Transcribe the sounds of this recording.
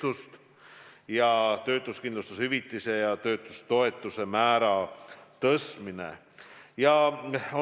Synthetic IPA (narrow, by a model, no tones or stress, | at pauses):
ust̪ | jɑt̪ø̞ːt̪ːˑuskind̪lust̪ushyvit̪ːˑise̞jɑt̪ø̞ːt̪ːˑu̥st̪o̞e̞t̪ːˑuse̞mæːɾɑt̪ɤsminḛ | jɑo